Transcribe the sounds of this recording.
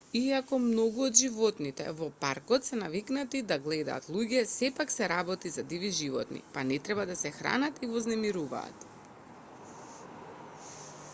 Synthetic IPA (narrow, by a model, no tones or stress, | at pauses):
iakɔmnɔɡuɔd̪ʒivɔt̪nit̪ɛ̰vɔpaɾkɔt̪sɛnaviknat̪id̪aɡlɛd̪a̰ːt̪lˠuɟɛsɛpaksɛɾabɔt̪izad̪iviʒivɔ̰t̪nḭpanɛt̪ɾɛbad̪asɛxɾa̰nat̪ivɔznɛmiɾuva̰ːt̪